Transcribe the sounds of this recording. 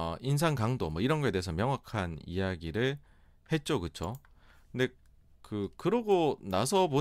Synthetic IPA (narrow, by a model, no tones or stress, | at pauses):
ins̬ʰaŋkaŋdomwʌiɾʌnɡʌe̞teesʰʌmjʌŋwakʰanḭjaɡiɾɯɭ | he̞t̚t͡ɕ͈okɯt͡ɕʰo | kɯnde̞ | kɯkɯɾʌɡonasʰʌpo